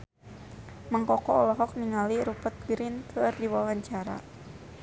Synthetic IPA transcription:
maŋkɔkɔɔlɔɦɔk̚niŋaliɾupət̪̚ɡɾink̪ʰərdiwawaɲt͡ʃaɾa̰

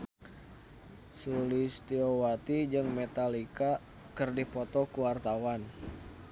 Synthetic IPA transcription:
sulist̪iowat̪id͡ʒɨŋmet̪alika | kərdipɔt̪ɔkuwart̪awan

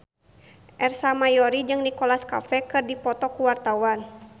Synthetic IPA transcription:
ʔɛrsamajɔɾid͡ʒɨŋdikɔlaska̰fɛkɨrdipɔt̪ɔkuwart̪awan

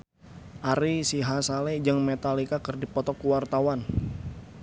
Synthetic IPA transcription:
ʔaɾisiɦasalɛd͡ʒɨŋmet̪alikakɨrdipɔt̪ɔkuwart̪awan

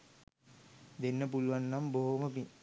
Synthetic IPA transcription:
d̪enːəpuluʋanːamboɦoməpi

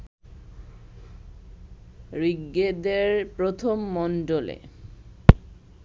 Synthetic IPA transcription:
ɾiɡːed̪eɾpɾot̪ʰomːɔnɖolḛ

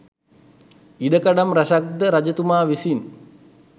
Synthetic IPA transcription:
iɖɐkɐɖɐmɾɐʂɐk̚d̪əɾɐd͡ʒɐt̪umaːʋisin

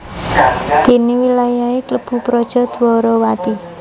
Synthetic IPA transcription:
d̪̥i̤niwilajaekləb̥ṳpɾɔd̥ʒ̥ɔ̤d̪̥uwɔɾɔwat̪i

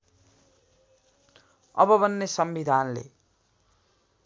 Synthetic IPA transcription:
ʌ̰bʌbʌnːesʌmbid̪ʱanlḛ

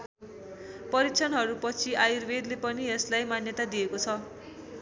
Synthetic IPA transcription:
pʌɾikt͡sʰʌnɦʌɾupʌt͡sʰiajirbed̪lepʌnieslajmanjʌt̪ad̪ijekot͡sʰʌ

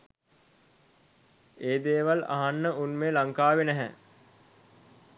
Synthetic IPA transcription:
eːd̪eːʋala̰ɦanːəunmeːlaŋkaːʋenɛɦɛ

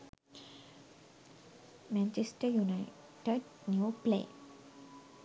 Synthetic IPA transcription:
mɛ̃ɲt͡ɕesʈəjunaj | ʈəɖ | njuplḛ

